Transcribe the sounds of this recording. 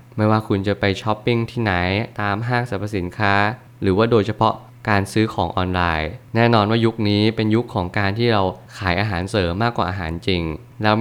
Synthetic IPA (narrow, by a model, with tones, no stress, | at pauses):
ma˥˩jwaː˥˩kʰu˧nt͡ɕa˨˩pa˧jt͡ɕʰɔ˦˥pːi˥˩ŋt̪ʰiː˥˩na˩˦jt̪aː˧mɦaː˥˩ŋsa˨˦pʰːa˧si˩˦nkʰaː˦˥ | ɾɯː˩˦waː˥˩doː˧jt͡ɕʰa˧pʰɔ˦˥ʔ | kaː˧nsɯː˦˥kʰɔː˩˦ŋʔɔː˧nlaː˧jnɛː˥˩nɔː˧nwaː˥˩ju˦˥k̚niː˦˥pe˧nju˦˥kʰːɔː˩˦ŋkaː˧nt̪ʰiː˥˩ɾa˧wkʰaː˩˦jʔaː˧ɦaː˩˦nsɤː˩˦mːaː˥˩kwaː˨˩ʔaː˧ɦa̰ː˩˦nt͡ɕi˧ŋ | lɛː˦˥w